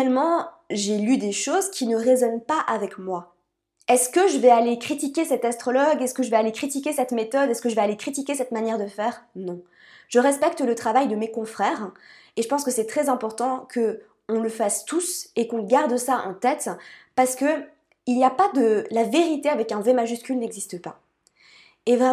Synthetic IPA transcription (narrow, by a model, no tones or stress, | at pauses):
ɛlmɑ̃ | ʒelyd̪eʃozkʲinəʁezɔnpaʔavɛkmwa | ɛskəʒəvɛalekχit̪ikʲesɛt̪ast̪χɔlɔɡɛskəʒəvɛalekχit̪ikʲesɛt̪met̪ɔd̪ɛskəʒəvɛalekχit̪ikʲesɛt̪manjɛʁd̪əfɛːʁnɔ̃ | ʒ̥əʁɛspɛk̚t̪lət̪χavajd̪əmekɔ̃fχɛːʁ | eʒəpɑ̃skəsɛt̪χɛzɛ̃pɔʁt̪ɑ̃kʰə | ɔ̃ləfast̪usekɔ̃ɡaʁd̪saʔɑ̰̃t̪ɛt̪paʁsə̥kə | ilijapad̪əlaveʁit̪eavɛkɛ̃vɛmaʒyskʲylnɛɡzist̪əpa | evʁɛ